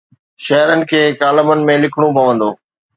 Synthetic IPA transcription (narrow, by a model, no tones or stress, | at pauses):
ʃɐɦɾənɪ̆kʰeːkaːləmənɪ̆mẽlɪkʰɽ̃ũpɐʋə̃nd̪o̰ː